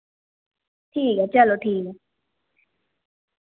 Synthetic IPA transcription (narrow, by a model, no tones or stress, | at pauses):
t̪ʰiːɡat͡ɕalot̪ʰiːɡa